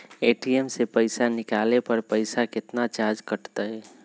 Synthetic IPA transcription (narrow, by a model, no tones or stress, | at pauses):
eːʈiemsepəɪsanɪkaːlepəɾpəɪsakɪt̪nat͡ʃaːɾd͡ʒkəʈt̪əɦɛː